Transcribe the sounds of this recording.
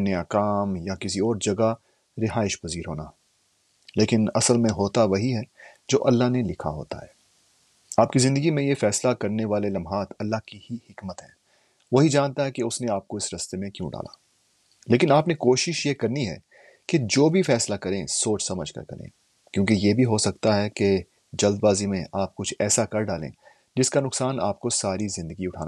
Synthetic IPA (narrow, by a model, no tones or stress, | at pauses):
nɐjakaːmjakɪsiɔːɾd͡ʒɐɡa | ɾɪɦaːɪʃpɐziːɾɦoːna̰ː | leːkɪnɐsəlmẽɦoːt̪aʋɐɦiɦɛd͡ʒo̰ːʔɐlːaɦnelɪkʰa̰ɦo̰ːt̪a̰ɦɛː | aːpkizɪ̃nd̪əɡimẽjefɛːslakɐɾneʋaːlelɐmɦaːt̪ɐlːaɦkihihɪkmət̪ɦɛ̰̃ː | ʋɐɦid͡ʒaːnt̪aɦɛkeʊsneaːp̚koɪsɾɐst̪emẽkjũɖa̰ːla̰ː | leːkɪnaːpnekoːʃɪʃjekɐɾniɦɛ̰ː | ked͡ʒoːbʱifɛːslakɐɾẽsoːt͡ʃʰsɐməd͡ʒʱkɐ̰ɾkɐ̰ɾḛ̃ː | kjõːkejebʱiɦosɐk̚t̪aɦɛke | d͡ʒɐld̪baːzimẽʔaːp̚kʊt͡ʃʰɛ̰ːsakɐɾɖaːlḛ̃ː | d͡ʒɪskanʊksaːna̰ːpkosaːɾizɪ̃nd̪əɡiʊʈʰaːn